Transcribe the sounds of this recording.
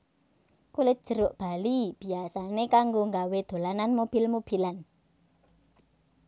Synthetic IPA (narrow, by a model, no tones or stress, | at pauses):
kulɪt̪̚d̥ʒ̥ə̤ɾʊʔb̥a̤lib̥i̤asanekaŋɡoŋɡawed̪̥o̤lananmob̥i̤lmob̥i̤lan